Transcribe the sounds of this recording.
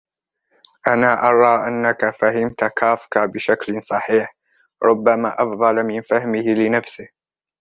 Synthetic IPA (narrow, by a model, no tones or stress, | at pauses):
ʔanaːʔɑɾˤɑːʔanːakafaɦɪmt̪akʰaːfkabɪʃaklsˤɑħiːħ | ɾˤʊbːamaːʔɑfðˤɑlmɪnfahmɪhɪlɪnafsɪh